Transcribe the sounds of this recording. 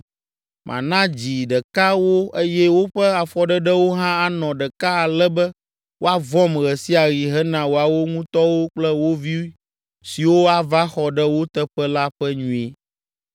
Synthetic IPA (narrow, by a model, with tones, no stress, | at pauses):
mʔã̰˨nã˦d͡ʑi˨ɖɛ˨ka˦wo˦e˦jɛ˦wo˦ɸɛ˦a˨fɔ˨ɖɛ˦ɖɛ˦wo˦ɦã˦a˨nɔ̃˨ɖɛ˨ka˦a˨lɛ˦bɛ˦ | wʔo˦a˦vɔ̃˦mɣɛ˨si˦a˨ɣi˨ɦɛ˦nã˨wo˨a˨wo˦ŋũ˦t̪ɔ˦wo˦k͡plɛ˦wo˦vi˦wi˦ | si˨wo˦a˨va˦xɔ˨ɖɛ˦wo˦t̪ə˦ɸɛ˦la˦ɸɛ˦ɲũ˨e˨